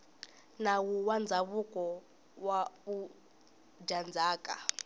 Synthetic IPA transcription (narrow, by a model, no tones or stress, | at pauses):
nawuwand͡zʱaβukʼɔ | waβu̥ | d͡ʒand͡zʱaːkʼa̰